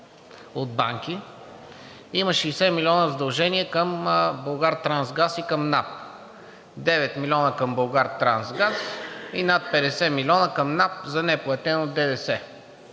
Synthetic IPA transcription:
od̪̚ba̰ŋk̟i | iməʃɛjsɛmilʲiɔnəzɐd̪ɐlˠʒɛniɛkəmboɡaɾt̪ɾanzɡasikəmnap̚ | d̪ɛvɛt̪milʲiɔnəkɐmbolˠɡaɾt̪ɾansɡasinat̪̚pɛd̪ɛsɛmilʲɔnəkɐmnap̚zɐnɛplˠɐt̪ɛnod̪ɛd̪ɛsɛ

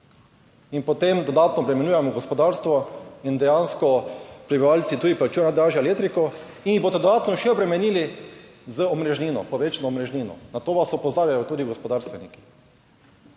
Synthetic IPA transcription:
inpɔt̪emd̪ɔd̪aːt̪nɔbɾɛmɛnʲjuːjɛmɔɡɔspɔd̪aɾst̪ʋɔind̪ɛjanskɔpɾibiʋalt̪sit̪uːd̪iplat͡ʃujɛnad̪ɾaːʒjaleːt̪ɾikɔ | iniboːt̪ɛd̪ɔd̪aːt̪nɔʃɛɔbɾɛmɛniːli | zəɔmɾɛʒniːnɔ̰pɔʋeːt͡ʃanɔːmɾɛʒnʲiːnɔ̰nat̪oːʋasɔpɔzaːɾjajɔt̪uːd̪iɡɔspɔd̪aːɾst̪ʋɛniki̥

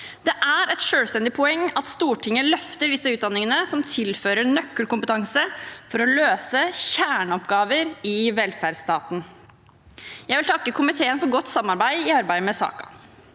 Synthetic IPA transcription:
d̪ɛʔæɾɛt̪ʂøːlst̪ɛnd̪ɪpʰʊɛŋːɑt̪st̪uːʈʰɪŋːəlœft̪əɾʋ̪ɪsːəʉːt̪̚d̪ɑnːɪŋənəsɔmt̪ʰɪlføːɾənœkːəlkʊmpət̪ʰɑŋsəfɔɾɔløːsəçæːɳəɔpɡɑːʋəɾɪʋɛlfæɖst̪ɑːt̪n̩ | jæɪʋɪlt̪ʰɑkːəkʰʊmɪt̪ʰeːənfɔɾɡɔt̪ːsɑmːɑɾbæɪɪɑɾbæɪəmɛsɑ̰ːkɑ̰

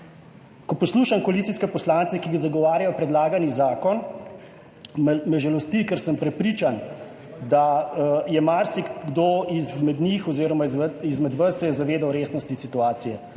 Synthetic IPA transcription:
kɔpɔsluːʃamkɔalitsiskɛpɔslaːnt̪sɛkiɡazaɡɔʋaːɾjajɔpɾɛd̪laːɡanizaːkɔn | mmɛʒɛlɔst̪ikɛɾsəmpɾɛpɾiːt͡ʃan | d̪ajɛmaɾsiɡd̪oizmɛd̪nixɔziːɾɔmaizmɛd̪ʋəsːɛjɛzaʋeːd̪awɾeːsnɔst̪isit̪uaːt̪sijɛ

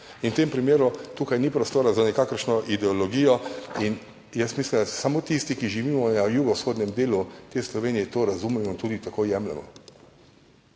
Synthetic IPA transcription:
inwt̪empɾimeːɾut̪ukajnipɾɔst̪oːɾazanɛkaːkəɾʃnɔʔid̪ɛolɔɡiːjɔin | jɛst̪mislimd̪asamot̪ist̪ikiʒiʋiːmɔnajuːɡɔsxoːd̪nʲɛmd̪eːlut̪eːslɔʋeːnijɛt̪oːɾazumɛmɔint̪uːd̪it̪akojɛmlɛ̰mɔ̰

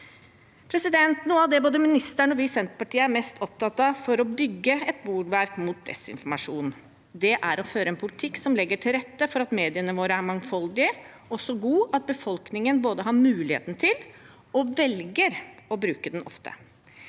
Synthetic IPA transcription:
pʰɾɛsɪd̪ɛnt̪nuːəɑʋd̪ɛboːd̪əmɪnɪst̪æɳɔʋɪsɛnt̪ə̥pɑʈʰiːəæɾmɛst̪ʰɔp̚t̪ɑt̪ɑfɔɾɔbʏɡːəɛt̪buːɖʋæɾkmut̪̚d̪ɛ̰sɪ̰nfɔɾmɑʂuːn | d̪ɛʔæɾɔføːɾəɛnpʰʊlɪt̪ʰɪksɔmlɛɡːəʈʰɪlɾɛt̪ːəfɔɾɑt̪meːd̪ɪənəʋoːɾəæmɑŋfɔld̪ɪə | ɔsːɔɡuːɑt̪̚bəfɔlknɪŋənboːd̪əɦɑɾmʉːlɪhḛːt̪nt̪ʰɪl | ɔʋɛlɡəɾɔbɾʉːkəd̪ɛnɔ̰ft̪ʰə̰

